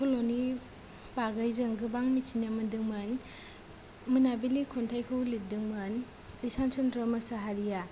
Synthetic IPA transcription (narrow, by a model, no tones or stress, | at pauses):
kʰoloni | paɡajzɯŋɡɯbaŋmit͡ʃinjamɯdɯŋmɐn | mɯnabilikʰɔntʰajkʰɯwlit̚dɯŋmɐn | bisansʰɔntɾɔmɐsaɦaɾija